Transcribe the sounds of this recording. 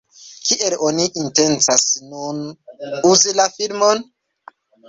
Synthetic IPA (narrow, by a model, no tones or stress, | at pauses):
kiʔeloniʔinte̞nt͡sasnunuzilafilmon